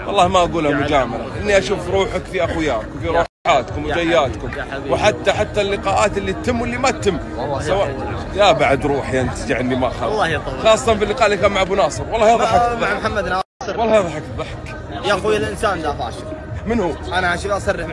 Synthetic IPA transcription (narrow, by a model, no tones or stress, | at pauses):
wɑlːˤɑːhmaʔaɡuːlhamʊad͡ʒaːmalaʔɪnːiʔaʃuːfɾuːħakfiʔaxujaːkwfiɾˤuːħħaːt̪kʊmwd͡ʒajːaːt̪kʊmwħat̪ːaħat̪ːalːɪqɑːʔaːt̪ɪlːit̪ːɪmːwɪlːimatt̪ːɪmː | sawa | jabaʕad̪ɾˤuːħjant̪ad͡ʒɪʕʔɪnːimaʔaxaːlːɑːjxɑːsˤːt̪ɑnfilːɪqɑːʔɪlːikaːnmaʕabunɑːsˤɨɾwɑlˤːɑhjɑðˤħamħamːad̪n | wɑlːɑhjɑðˤħakðˤɑħak | axujalʔɪnsaːnd̪afa̰ːʃmɪnhuʔanaaʃiʔasˤɑrːɪħ